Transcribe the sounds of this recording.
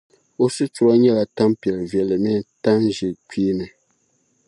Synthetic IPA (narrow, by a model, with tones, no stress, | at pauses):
o˦sɨ˦tu˨ɾa˦ɲɛ˦la˨ta˦m˦pjɛ˨lvɛ˨lɨ˨mɛ˦ta˦nʒi˨k͡piː˦nɨ˨